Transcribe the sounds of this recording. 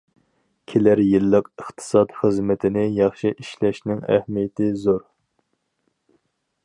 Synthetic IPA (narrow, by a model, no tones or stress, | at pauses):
kʲʰelæɾjilːəqəχt̪ʰɨ̥sɑt̪χəzmɪt̪ʰɪnɪjɑχʃiʔiʃlɛʃnɪŋæ̰hmijɪt̪ʰɪzoɾ